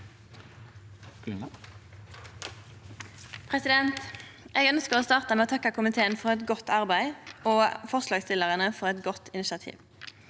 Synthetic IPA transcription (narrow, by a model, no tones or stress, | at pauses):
pʰʁɛsɪd̪ɛnt̪ʔeːɡœnskəʁoːst̪ɑːʁt̪əmɛːoːt̪ʰɑkːəkʰʊmɪt̪ʰeːənfɔʁɛt̪ɡɔt̪ːɑʁbæɪoːfɔʁslɑːɡst̪ɪləʁənəfɔʁɛt̪ɡɔt̪ɪnɪʃɑt̪ʰḭːʋ